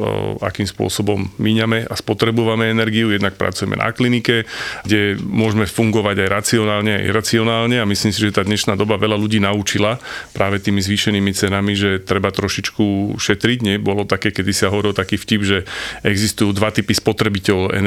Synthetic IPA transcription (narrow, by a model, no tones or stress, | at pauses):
a̰kiːmspʊɔ̰sɔbɔmːiɲamɛaspɔt̪ɾɛbɔʋamɛɛnɛɾɡiujɛd̪nak̚pɾa̰t͡sujɛmɛ̰na̰klinikɛɡɟɛmʊɔʒmɛfuŋɡɔʋaɟajɾat͡siɔnaːlɲɛa̰jɾat͡siɔnaːlɲɛamisliːmsiʒɛt̪aːd̪ɲɛʃnaːd̪ɔbaʋɛʎaluɟiːnaut͡ʃilapɾaːʋɛt̪iːmizʋiːʃɛniːmit͡sɛnamiʒɛt̪ɾɛbat̪ɾɔʃit͡ʃkuʃɛt̪ɾiɟɲɛbɔlɔt̪akɛːkɛd̪isaɦɔʋɔɾilɔt̪akiːfcibʒɛɛɡzist̪ujuːd̪ʋat̪ipispɔt̪ɾɛbicɛlɛ̰n